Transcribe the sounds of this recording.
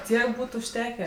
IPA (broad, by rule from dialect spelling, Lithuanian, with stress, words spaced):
ˈtʲiɛk ˈbuːt ʊʃʲˈtʲæːkʲæː